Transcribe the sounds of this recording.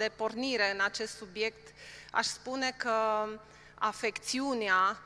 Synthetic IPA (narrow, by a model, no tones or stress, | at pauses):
e̞po̞rniɾe̞ɨnat͡ʃe̞st̪subje̞kt̪a̰ʃspune̞kə | afe̞kt̪siunea